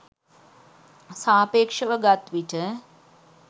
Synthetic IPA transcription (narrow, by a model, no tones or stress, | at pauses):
saːpeːkʂəʋəɡat̪ʋiʈə